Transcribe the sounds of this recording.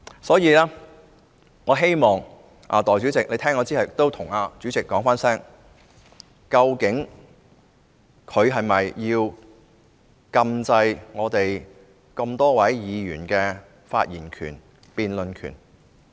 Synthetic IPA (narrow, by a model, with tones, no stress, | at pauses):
sɔː˨˥jiː˨˧lɛː˥ | ŋɔː˨˧ɦe˥jmɔː˨˩ŋ | ʔa̰ː˨˧t̪ɔː˨jt͡syː˨˥t͡sɪ˨k̚ne˨˧t̪ʰɛː˥ŋɔː˨˧t͡siː˥hɐ˨jɪk̚t̪o˥wt̪ʰʊ˨˩ŋaː˧t͡sy˨˥t͡sɪ˨kːɔː˨˥ŋfaː˥nsɛː˥ŋ | kɐ˧wkɪ˨˥ŋ | kʰɵ˨˧ɥɦɐ˨jmɐ˨jjiː˧w | kɐ˧mt͡sɐ˧jŋɔː˨˧t̪e˨j | kɐ˧mt̪ɔː˥wɐ˨˥jjiː˨˧jy̰ː˨˩nkɛː˧ | fa̰ː˧t̚jiː˨˩nkʰy̰ː˨˩n | piː˧nlɵ˨nkʰyː˨˩n